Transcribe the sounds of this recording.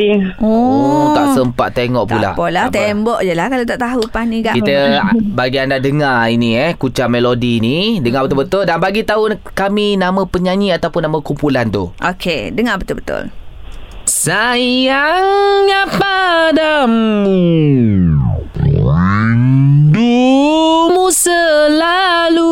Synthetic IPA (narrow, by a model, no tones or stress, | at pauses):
ɔk̪aʔsəmpa̰ʔ̚t̪eŋɔʔpula̰ʔpolat̪embɔʔjəlahkalaot̪aʔt̪aɦupanĩɡaʔkit̪əbaɡiandadəŋainiɛkut͡ʃamelodinidəŋabət̪ʊlbət̪ʊldanbaɡit̪aukaminãmə̃pəɲãɲĩat̪awpʊnːamə̃kumpulant̪ṵʔokʰedəŋabət̪ʊlbət̪ʊ̰l | sajjaŋːapadamu | du | musəlalu